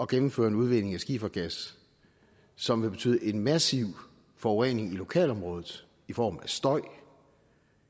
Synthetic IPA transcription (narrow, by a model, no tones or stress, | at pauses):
ɒ̽ɡ̥enm̩fø̰ːɐe̝nuð̞ˠʋe̝ɡ̥ne̝ŋæsɡ̥iːfɐɡ̥æs | sɒ̽mʋe̝b̥e̝t͡sʰy̰ːðˠəʔe̝nmæsiʊ̰ | fɒ̽ʊʁɛne̝ŋilo̝kʰɛ̰ːlɒ̽mʁɔ̽ːð̞ˠð̩ˠ | ifɒ̰ːmæsd̥ɒ̽ɪ̰